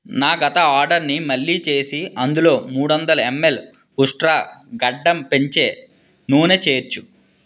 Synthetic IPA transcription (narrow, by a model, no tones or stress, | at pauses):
naːɡɐt̪ɐaːɾɖɐɾnimɐɭːiːt͡ʃe̞ːsiɐnd̪ulo̞ːmuːɽuʋɐnd̪ɐlɐemːe̞l | uʂʈɾaːɡɐɖːɐmpeɲt͡ʃe̞ː | nuːnet͡ʃe̞ːɾt͡ʃːu